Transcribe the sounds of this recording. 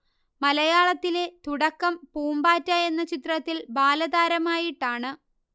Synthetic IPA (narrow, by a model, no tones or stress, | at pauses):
mɐlɐjaːɭɐt̪ːile̞t̪uɽɐkːɐmpuːmbaːtːɐe̞nːɐt͡ɕit̪rɐt̪ːilbaːlɐðaːɾɐmaːjiʈːaːɳɨ